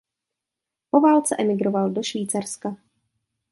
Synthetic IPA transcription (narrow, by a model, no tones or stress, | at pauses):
po̞vaːlt͡sɛʔɛmɪɡɾovaldo̞ʃviːt͡saɾska